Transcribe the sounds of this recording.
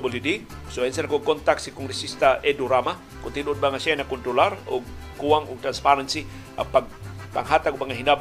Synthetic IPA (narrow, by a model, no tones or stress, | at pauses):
bolidisoɛnsɛnakokɔnt̪aksikɔŋɾisist̪aʔeduɾama | kunt̪idut̪baŋasanakunt̪ɾularoŋkuaŋuŋt̪ɾanspaɾansi | a̰papa̰ŋɦat̪aɡubaŋaɦindab